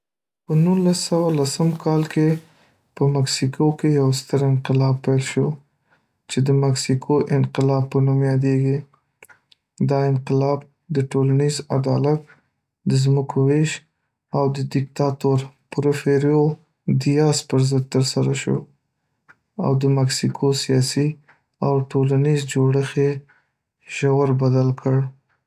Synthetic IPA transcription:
pənunlasːawalasəmkʰɑlke | pəmaksikʰokejawst̪əɾɪnqɪlɑb̚pajlʃo | t͡ʃed̪əmaksikʰoʔɪnqɪlɑb̚pːənumjɑd̪eɡi | d̪ɑɪnqɪlɑb̚ | d̪əʈolaniza̰d̪ɑlat̪̚ | d̪əzməkʰoweʃ | awd̪əd̪ɪkt̪ɑt̪oɾpʊɾofeɾjo | d̪ijɑspəɾzəd̪̚t̪əɾsaɾaʃo̰ | a̰wd̪əmaksikʰosijɑsi | awʈolanizd͡ʒoɽəxe | ʒ̥awəɾbad̪alkʰəɽ

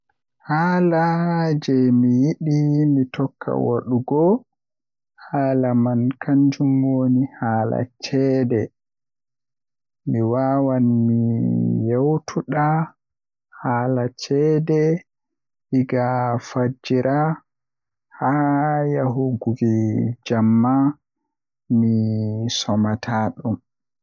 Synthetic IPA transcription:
haːlad͡ʒɛmijiɗimitɔkʰːa̰wa̰ɗuɡɔ | haːlamankʰaɲd͡ʒumoːnihaːla̰t͡ʃɛːdɛ | miwawanmijawtʰuɗa | haːlat͡ʃɛːdɛ | hiɡafad͡ʒiɾʔa | hajaɦuɡuɡid͡ʒamːa | misɔmatʰaːɗum

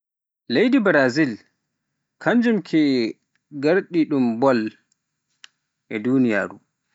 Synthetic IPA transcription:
lejdibɾazil | kʰaɲd͡ʒumkʰi | ɡaɾɗiɗumbɔl | ʔɛdunija̰ːɾu

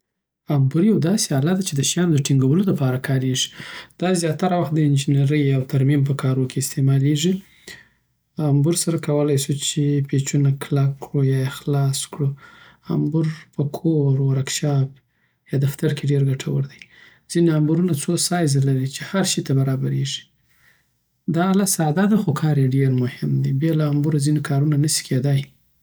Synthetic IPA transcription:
ambuɾjawd̪ɑseɑlad̪at͡ʃed̪əʃjɑnd̪əʈiŋɡawəloləpɑɾakʰɑɾeʐi̥d̪̥ɑzjɑt̪aɾawaxt̪̚d̪əɪnd͡ʒineɾəjawt̪aɾmimp̬əkʰɑɾokʰeɪst̪emɑleʐi | ambuɾsaɾakawəlajsut͡ʃepet͡ʃunaklakːɽujɑexlɑskɽu | a̰mbuɾpəkʰoɾwaɾakʃɑb̚ | jɑd̪aft̪aɾkeɖeɾɡaʈʰawəɾd̪aj | z̥ineambuɾunat͡sosɑjzalaɾit͡ʃehaɾʃit̪abaɾɑbaɾeʒi̥ | d̪ɑlasɑd̪ad̪axokʰɑɾjeɖeɾmʊhɪmd̪ibjɑlaːmbuɾazinekʰɑɾunanəsi̥kʰed̪aj

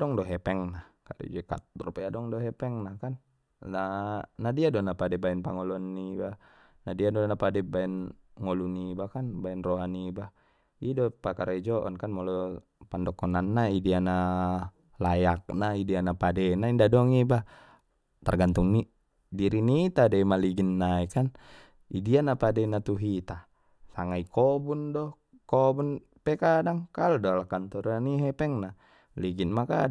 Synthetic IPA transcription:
dɔŋdɔɦɛpɛŋnahkadɛ̰d͡ʒɛka̰t̪̚rupɛadɔŋdɔɦɛpɛŋnahkanː | anadiadɔnapadɛbaɛnpaŋɔlɔnːiba | nadiadɔnapadɛbaɛnŋɔlunibahkanbaɛnrɔɦanibah | idɔpakaɾaid͡ʒɔʔɔ̰nkanmɔlɔ | pandɔkɔnanːaidiana | lajak̚naidianapadɛnaindadɔŋiba | t̪a̰rɡant̪uŋni | diɾinit̪adɛmaliɡinːaikan | idianapadɛnat̪uɦit̪a | saŋaikɔbundɔ | kɔbun | pɛkadaŋkaludɔlakant̪ɔɾaniɦɛpɛŋna | liɡinmaka

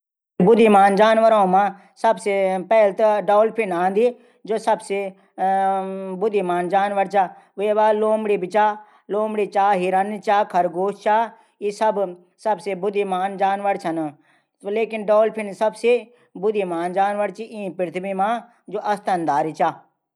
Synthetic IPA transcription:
bʊd̪ʱimaːnd͡ʒaːnʋəɾãːũmãː | sɐbsepɛːlt̪əɖɔːlpʰɪnãːnd̪iː | d͡ʒoːsɐbse | bʊd̪imaːnd͡ʒaːnʋəɽt͡ʃaː | ʋeːʋaːloːmɽiːbɪt͡ʃaː | loːmɽiːt͡ʃaːɦiːɾɐnt͡ʃaːkʰɐɾɡoːʃt͡ʃaː | isɐb | sɐbsebʊd̪imaːnd͡ʒaːnʋəɽt͡ʃʰɐn | leːkɪnɖoːlpʰɪnsɐbse | bʊd̪imaːnd͡ʒaːnʋəɽt͡ʃiʔĩːpɾɪt̪ʰbimãː | d͡ʒoːʔɐst̪ənd̪aːɾit͡ʃaː

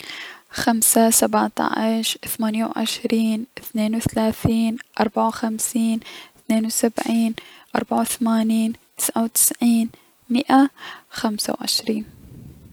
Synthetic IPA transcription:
xamsasabʕt̪ˤɑ̰ʕɪʃθamaːnjawʕɪ̰ʃɾiːnɪθneːnwθalaːθiːnʔɑ̰ɾˤbaʕawxamsiːnθneːnwsabʕiːnʔɑɾˤbaʕawθamaːniːnt̪ɪ̥sʕawt̪ɪ̥sʕiːn | mɪʔaxamsa̰wʕɪ̰ʃɾiːn

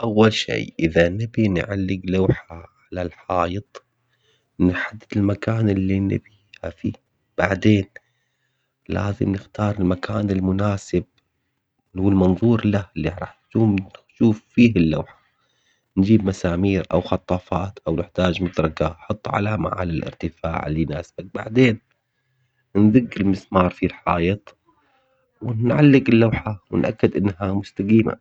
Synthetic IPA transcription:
ʔawːalʃḛːʔɪðanɪbinʕalːɪɡlawːħaʕalalħɑːjɨt̪ˤ | nħad̪ːɪd̪ɪlmakaːnɪlːinɪ̰bihafḭ | b̥aʕd̪eːn | la̰ːzɪ̰mnɪxt̪ɑːɾˤɪlmakʰaːnɪlmʊnaːsɪb̚ | wɪlmɑnðˤuːɾlahɪlːiʕɾˤɑ̰ːħtuːmʃuːfːiːɦɪlːa̰wħḁ | nd͡ʒiːbmasaːmiːɾʔa̰wxɑt̪ˤːɑːfɑːt̪ʔawnɪħt̪aːd͡ʒmad̪ɾˤɑkaħɑt̪ˤːʕa̰lama̰ʕa̰ːlɪlʔɪ̰ɾt̪ɪfa̰ːʕɪlːinaːsbak̚ba̰ʕd̪eːn | nðʊɡːɪlmɪsmɑːɾˤfilħɑːjɨt̪ˤ | wɪnʕalːɪɡɪlːawħawɪ̰nʔakːɪd̪ʔɪnːɦamʊst̪aɡiːma̰

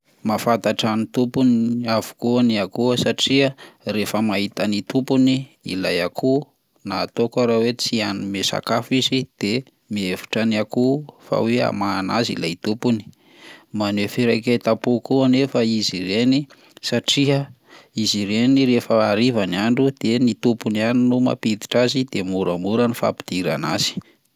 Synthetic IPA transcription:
mafant̪aʈ͡ʂanit̪upuniavu̥kuaniakuəsaʈ͡ʂiərefəmaɦit̪anit̪upuniḭla̰jakʰu | naːt̪okaɾawet͡sianimesa̰kafizid̪̥e | miefu̥ʈ͡ʂanakufa̰wea̰maːnazḭlajt̪upuni̥ | manefiɾajkat̪apukuanefaiziɾeni | saʈ͡ʂiə | iziɾeniɾefəaɾivanaɳɖ͡ʐud̪̥enit̪upunianinuma̰pid̪i̥ʈ͡ʂazid̪̥emuɾamuɾanifa̰pi̥d̪̥iɾa̰na̰z̥i̥

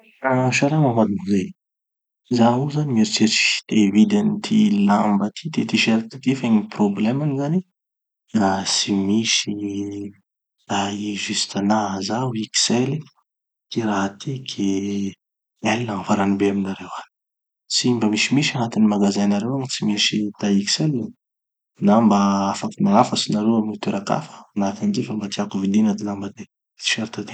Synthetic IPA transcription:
aʃaɾemamad̪uŋze | zauzanimeɾit͡seɾi̥t̪evid̪anit̪ʰilambət̪ʰit̪et̪iʃeɾt̪ət̪efeɲiproblɛmanizani | rasimisi | raiʒyst̪anazawiki̥seli | kiɾaɦat̪ʰikʰe | elnavaɾanibeaminaɾewa | simbəmisimiʃanat̪inimaɡazajnaɾewaŋisimiʃit̪aiki̥sela | nambaafakimalafəsinaɾewamnit̪eɾaka̰fə̥anak̪and͡ʒ̪efambat̪iakuvid̪inad̪ilambad̪e | t͡si̥faɾit̪at̪e̥

